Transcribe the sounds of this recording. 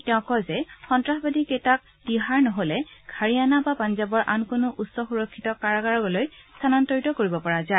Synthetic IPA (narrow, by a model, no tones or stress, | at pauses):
tɛʊ̃kɔzɛxɔntɹaxbadikejtak̚ | d̥iɦaɹnɔɦolɛɡʱaɹianabapanzabɔɹʔa̰nkonʊʔusːɔxuɹɔkʰːitɔkaɹaɡaɹɔɡɔlojstʰanantɔɹitɔkoɹibɔpɔɹaza